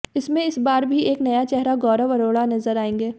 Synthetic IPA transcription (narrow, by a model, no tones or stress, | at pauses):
ɪsmẽɪsbaːɾbʱieːknɐjat͡ʃɛɦɾaɡɔːɾaʋɐɾoːɽanɐzəɾaːẽːŋɡeː